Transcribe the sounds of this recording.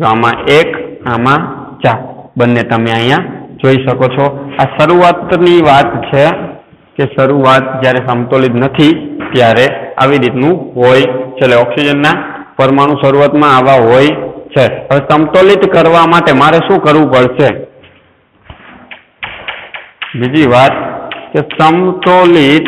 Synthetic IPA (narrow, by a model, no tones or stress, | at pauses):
d͡ʒoamãʔekamãt͡ʃabənːet̪əmeəjãd͡ʒoiʃəkot͡ʃʰɔaʃəɾuat̪niʋat̪t͡ʃʰe | keʃəɾuat̪̚d͡ʒjaɾesəmt̪olit̪nət̪ʰit̪jaɾea̰ʋiɾit̪nũɦojt͡ʃʰeleɔksid͡ʒənːa | pəɾmaɽ̃ũʃəɾuat̪mãːʋaɦojt͡ʃʰeɦəʋesəmt̪olit̪kəɾʋamaʈemaɾeʃũkəɾʋũpəɭʃe | bid͡ʒiʋat̪kesəmt̪olit̪